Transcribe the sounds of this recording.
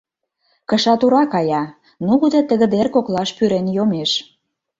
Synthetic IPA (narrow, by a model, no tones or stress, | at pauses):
kə̆ʃɑt̪uɾɑkɑjɑ | nuɣud̪ĕt̪ə̆ɣə̆d̪erkoklɑʃpyɾenjomeʃ